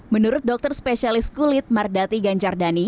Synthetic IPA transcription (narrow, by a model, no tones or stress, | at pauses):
mənuɾʊt̪̚dɔk̚t̪ərspesialɪskulɪt̪̚mardat̪iɡaɲt͡ʃardani